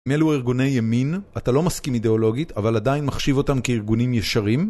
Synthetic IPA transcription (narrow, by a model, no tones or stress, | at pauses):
imeluiʁɡune̞jːeminatalo̞maskimide̞o̞lo̞ɡitavaladainmaχʃivo̞tamkeiʁɡunimjeʃaʁim